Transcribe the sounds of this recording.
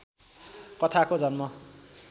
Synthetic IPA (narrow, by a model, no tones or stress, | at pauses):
kʌt̪ʰakod͡zʌnmʌ